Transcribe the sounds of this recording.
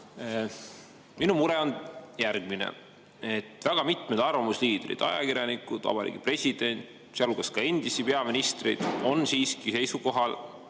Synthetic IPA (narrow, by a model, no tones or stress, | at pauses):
minumuɾɛonjærɡ̥minḛ | et̪ːˑvæɡ̥ɑmit̪med̪ɑrvɑmusliːd̪̥rḭd̪̥ɑ̰jɑ̰kiɾjɑnikud̪̥vɑ̰b̥ɑɾḭːɡ̥ipre̞sʲid̪̥e̞nʲt̪ | seɑluɡ̥ɑskɑend̪̥isipe̞ɑminist̪rid̪̥o̞nsiːskise̞jsuko̞ɦɑl